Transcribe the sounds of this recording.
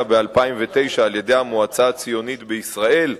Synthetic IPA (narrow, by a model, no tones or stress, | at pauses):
abealpaimve̞t̪e̞jʃaːlje̞d̪e̞jhamoat͡saat͡sijo̞nit̪beisʁaʔe̞l